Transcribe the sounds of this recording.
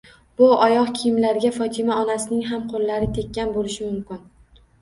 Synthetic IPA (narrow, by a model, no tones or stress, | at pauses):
b̥ʊɒjɒqkʲʰɪijɪmlaɾɡʲafɒt̪ʰɪmaɒnasɪnɪŋɦamqʰolˠːaɾɪt̪ʰe̞kʲːanbolɪʃɪmʊmkʲɪn